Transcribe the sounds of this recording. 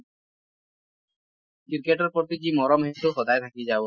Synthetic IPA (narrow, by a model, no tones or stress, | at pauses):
kiɾkeʈɔɾpɔt̪id͡ʑimɔɾɔmɦet̪uxɔd̪ajt̪ʰakid͡ʒab